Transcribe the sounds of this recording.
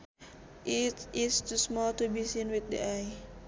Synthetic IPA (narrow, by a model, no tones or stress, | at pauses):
ʔit̪ist̪usmɔlt̪ubisinwit̪̚dḭaj